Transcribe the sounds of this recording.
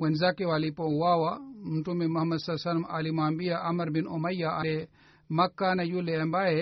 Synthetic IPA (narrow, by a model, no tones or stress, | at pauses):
wɐnzaːkewaːlipɐuwaːwamuɳʈumemɐhɐmɐd̪sɐsɐnma̰ːlimaːmbijaʔɐmɐɾbinomɐjːaʔɐle | mɐkːaːnɐjuleɐmbaːe